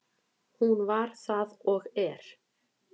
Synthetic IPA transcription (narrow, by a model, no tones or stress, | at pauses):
hunvaɾ̥θaðɔɣɛɾ̥